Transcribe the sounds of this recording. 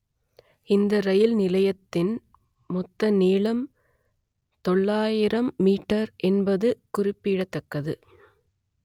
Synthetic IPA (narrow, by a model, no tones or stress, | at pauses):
ɪnd̪ɐɾɐjɪlnɪlɐjɐt̪ːɪn | mʊt̪ːɐniːɭɐm | t̪ɔɭːaːjɪɾɐmːiːʈːɐɾʔɛnbɐðɯkʊrɪpːɪɽɐt̪ːɐkːɐðɯ